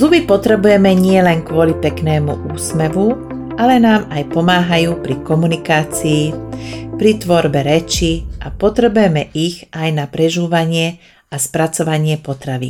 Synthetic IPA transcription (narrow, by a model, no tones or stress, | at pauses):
zubipɔt̪ɾɛbujɛmɛɲɪɛlɛnkʋʊɔlipɛknɛːmuʔuːsmɛʋu | ʔalɛnaːmajpɔmaːɦajuːpɾikɔmunikaːt͡siːpɾit̪ʋɔɾbɛɾɛt͡ʃiʔapɔt̪ɾɛbujɛmɛʔiɣʔajnapɾɛʒuːʋaɲɪɛ | aspɾat͡sɔʋaɲɪɛpɔt̪ɾaʋḭ